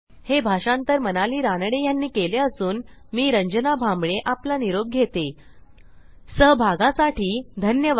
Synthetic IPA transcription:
hebʱaʂãnt̪əɾmənaliːɾanɽejanːiːkeleəsuːnmiːɾəɲd͡ʑənabʱambɭeʔaplaniɾob̚ɡʱet̪e | səɦbʱaɡãsaʈiːd̪ʱənjəʋ

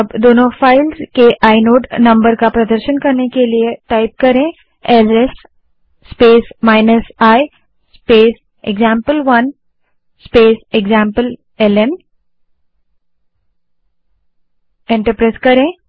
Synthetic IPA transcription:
ɐbd̪oːnõfaːɪlzkeʔaːɪnoːʈnɐ̃mbəɾkapɾɐd̪əɾʃənkɐɾnekelieʈaːɪp̚kɐɾẽː | ɛlesː | peːsmaːɪnəsaːi | speːs | eɡzãːmpəlʋɐn | speːseɡzãːmpəl | ɛlɛn | ẽːɳʈəɾpɾaːzkɐɾẽː

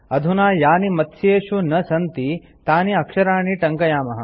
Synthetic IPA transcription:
ɐd̪ʱunaːjaːnimɐt̪ʰːjeːʃunɐsɐnt̪i | t̪aːniɐkʂɐɾaːɳiʈɐŋkɐjaːmɐɦɐ̆

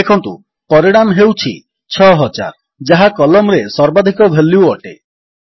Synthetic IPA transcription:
ekʰɔnt̪ṵ | pɔɾiɽ̃amɦewt͡ʃʰḭ | t͡ʃʰɔɦɔt͡ʃa̰ɾ | d͡ʒaɦakɔlɔmɾesɔɾbad̪ʱikɔbʱelːiwɔʈe

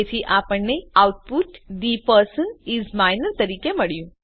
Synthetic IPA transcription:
et̪ʰiʔapəɳːeawʈ̚puʈɖipəɾsənizmajnəɾt̪əɾikeməɭjũ

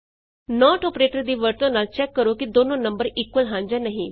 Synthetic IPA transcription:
nɔːʈɔːpɾeːʈəɾd̪iːʋəɾt̪õːnaːlt͡ʃɛːkːəɾoːkɪd̪oːnõːnəmbəɾiːkʋəlɦãːɲd͡ʒaːnəɦĩː

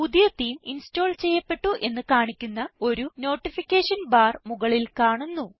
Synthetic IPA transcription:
puðijɐt̪ːiːminsto̞ːɭt͡ɕe̞jːɐpːe̞ʈːuʔe̞nːɨkaːɳikʲːunːɐo̞ɾuno̞ːʈːifikʲːeːʂɐnbaːrmuɣɐɭilkaːɳunːu

